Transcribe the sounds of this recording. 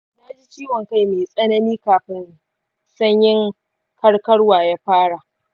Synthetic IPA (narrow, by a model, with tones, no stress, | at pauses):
na˦d͡ʒi˦t͡ʃiː˦wɔ˨ŋka˦jmeː˨sʼɐ˦nɐ˦niː˦kaː˨ɸɪ˦n | sɐ˦ɲjɪ˦ŋ | kʰɐ˦ɽkɐ˦ɽwaː˨jaː˦ɸaː˦ɽa˨ʔ